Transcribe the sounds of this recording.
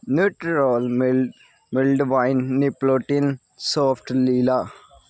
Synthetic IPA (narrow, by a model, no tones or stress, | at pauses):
nuʈːɾoːlm | milɖʋɐjnːiploʈːin | soːfʈlilɐ